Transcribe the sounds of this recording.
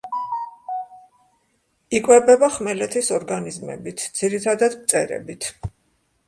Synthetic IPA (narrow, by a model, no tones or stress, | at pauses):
ikʼwɛbɛbaχmɛlɛt̪ʰisɔɾɡanizmɛ̰bit̪ʰd̪z̥iɾit̪ʰad̪ad̪mt̪sʼɛɾɛ̰bit̪ʰ